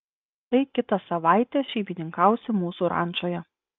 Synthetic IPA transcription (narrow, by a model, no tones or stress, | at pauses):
t̪ɐɪkʲɪt̪ɐsɐʋɑˑɪt̪ʲeːʃʲɛɪbʲinʲɪŋkɐˑʊsʲɪmuːsuːɾɑ̰ˑnˑt͡ʃoːjɛ